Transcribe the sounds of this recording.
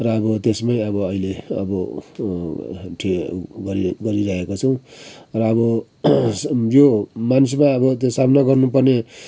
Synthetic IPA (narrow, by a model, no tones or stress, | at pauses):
rʌːbʌt̪esmaj̃ʌβʌʌileʌ̰bʌ | ʈʰiɡʌɾiɡʌɾiɾʌɦekot͡sʰʌw̃rʌːbʌ | jomanis̬maʌbʌt̪sabnaɡʌrnupʌrne